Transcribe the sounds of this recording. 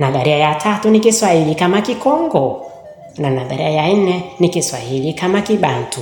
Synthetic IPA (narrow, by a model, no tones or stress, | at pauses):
naðaɾiajatʰatunikiswahilikamakikɔŋɡɔ | nanaðaɾiajaninɛnikiswahilikamakiɓantu